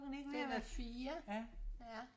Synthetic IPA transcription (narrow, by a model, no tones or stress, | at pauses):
ɡ̥neɡ̥ʋeʋæfiːɐæ